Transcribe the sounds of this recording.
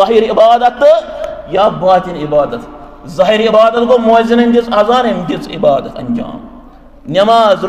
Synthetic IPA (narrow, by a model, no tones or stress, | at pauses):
ɐɦiːɾibaːd̪ɐt̪ːɨjaːbaːt̪ʲinibaːd̪ɐt̪ | zɐɦiːɾibaːd̪ɐt̪ɡomuɐzinɐnd̪it͡sʼɐzaːnɐmd̪it͡sʼḭbaːd̪ɐt̪ɐ̰nd͡ʒa̰ːm | nʲɐmaːz